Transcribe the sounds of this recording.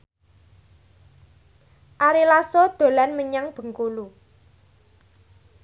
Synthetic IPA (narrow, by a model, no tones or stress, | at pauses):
ʔaɾilasod̪̥o̤lanməɲaŋb̥ə̤ŋkulu